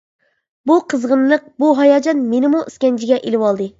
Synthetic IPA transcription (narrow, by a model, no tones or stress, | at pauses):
buqʰəzʁənlˠəq̚buɦɑjɑːd͡ʒɑnmenɪmuʔiskʲɛnt͡ʃʰiɡʲɛʔelɪwɑlˠd̪ɨ